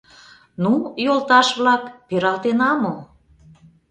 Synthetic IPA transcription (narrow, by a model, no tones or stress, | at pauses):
nujolt̪ɑʃβlɑkpeɾɑlt̪enɑmo